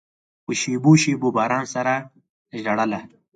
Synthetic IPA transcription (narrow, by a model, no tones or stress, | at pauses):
pəʃeboʃebobɑɾɑnsaɾa | ʒɖaɽəla